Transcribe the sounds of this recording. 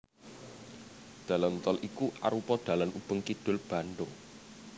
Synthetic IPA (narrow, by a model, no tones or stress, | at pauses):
d̪̥a̤lamt̪ɔlʔikuʔa̰ɾupɔd̥a̤lanʔub̥əŋkid̥ʊ̤lb̥a̤nɖʊŋ